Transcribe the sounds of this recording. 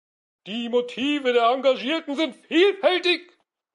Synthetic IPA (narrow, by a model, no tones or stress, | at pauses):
d̥iːmotʰiːvədeːɐaŋɡaʒiːɐtn̩zɪntfiːlfɛltɪç